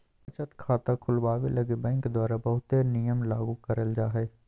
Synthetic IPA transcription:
ɐt͡ʃət̪kʰaːt̪akʰʊlʋaːʋelɐɡebɛ̃ːŋkd̪waːɾabəɦʊt̪̚ːenijəmlaːɡukəɾəld͡ʒaːɦɛː

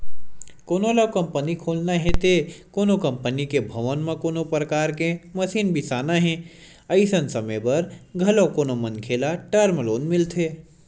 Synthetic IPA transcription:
koːnolakɐ̃mpənikʰoːlnaɦẽt̪ekoːnokə̃mpənikebʱɐʋənmãkoːnopɾəkaːɾkeməsiːnbʱisaːnaɦẽ | əɪsənsəmebɐɾɡʱɐlokoːnomənkʰeːlaʈəɾmloːnmɪlt̪ʰe

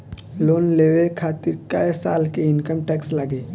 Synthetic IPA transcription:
loːnleːwekʰaːt̪ɪɾkaesa̰ːlkeɪnkəmʈɛːksləɡeː

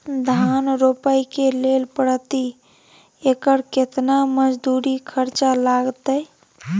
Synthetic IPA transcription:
d̪ʱanɾopəjkelelpəɽət̪i | ekəɾket̪naməd͡ʒd̪uɾikʰəɾt͡ʃalaɡt̪əj

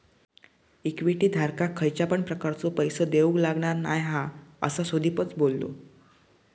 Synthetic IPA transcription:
ikʋiʈiːd̪ʱaɾkakʰːəjt͡ɕjapəɳpɾəkaɾt͡sopəjsəd̪eʋũɡlaɡɳaɾnajɦãə̰sasod̪ʱiːpət͡sbolːo̰

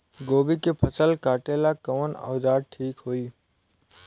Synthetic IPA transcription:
ɡoːbiːkeːpʰəsəlkaːʈeːlaːkəʋəna̰ːzaːd̪̚ʈʰiːkɦoːiː

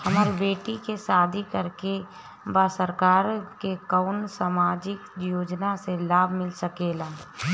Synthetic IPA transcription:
hɐmaːɾibeːʈikesaːd̪ʱikəɾke | baːsəɾkaːɾkekaːnsaːmaːd͡ʒɪkjoːd͡ʒnaselaːbʱmɪlsəkeːlaː

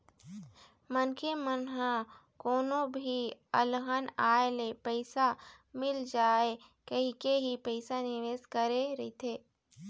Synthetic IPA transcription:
mənkemənɦã | koːnõbʱiəlɦənaːelepəɪsa | mɪld͡ʒaːe | kəɦikeɦipəɪsanɪʋeːskəɾeɾɐit̪ʰeː

